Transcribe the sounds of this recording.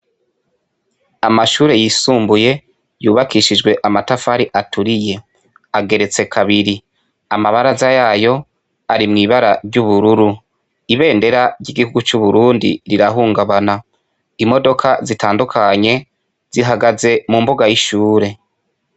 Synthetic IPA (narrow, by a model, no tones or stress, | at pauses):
amaʃuːɾe̞jiːsuːmbuje̞ | juːβakʰiʃid͡ʒɡwe̞ʔamatafaɾiʔatuɾije̞ | aɡe̞ɾe̞t͡se̞kʰaβiɾi | amaβaɾazajaːjo̞ | aɾimŋiːβaɾaɾɟuβuɾuɾu | iβe̞ːnde̞ɾaɾɟiɡihuɡut͡ʃuβuɾuːndḭɾiɾaɦuːŋɡaβana | imo̞do̞kʰazitaːndukʰaɲe̞ | z̥iɦaɡaze̞mumboɡajiʃuːɾe̞